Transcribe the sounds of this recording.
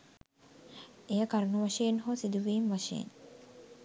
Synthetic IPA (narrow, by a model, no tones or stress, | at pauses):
ejəkaɾunuʋaʃejenɦoːsid̪uʋiːmʋaʃḛjḛn